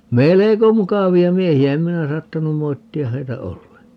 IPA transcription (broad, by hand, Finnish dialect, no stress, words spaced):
meleko mukɑʋiɑ miehiæ em minæ sɑːtːɑnum moitːiɑ heitæ olːeŋkˑɑː